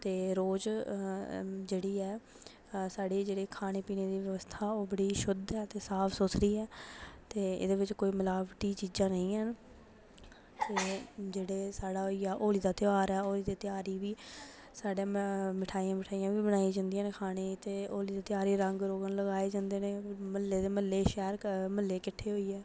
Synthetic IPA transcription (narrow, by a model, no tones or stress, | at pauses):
t̪eːɾoːd͡ʒ | d͡ʒeːɽiːɛː | saːɽeːd͡ʒeːɽeːkʰaːɽ̃eːpiːneːd̪iːʋəʋəst̪ʰaːoːbəɽiːʃʊd̪ɛːt̪eːsaːpʰsʊsɾiːɛːt̪eːɪ̰d̪eːʋɪt͡ʃkoːiːməlaːʋʈiːt͡ʃiːd͡ʒãːnəĩːn | t̪eːd͡ʒeːɽeːsaːɽaːɦoiːaːʔoːliːd̪aːt̪ɪaːɾɛːoːliːd̪eːt̪ɪjaːɾiːʋiː | saːɖeːmɪʈʰaːiːãːmɪʈʰaːijãːʋiːbənaːiːd͡ʒãːnd̪ijãːneːkʰaːñeːt̪eːoːliːd̪eːt̪ɪaːɾiːɾəŋɡɾoːɡənləɡaːeːd͡ʒãːnd̪eːneːməlːeːd̪eːməlːeːʃɛːɾməlːeːkɪʈʰːeːɦoːiːɛː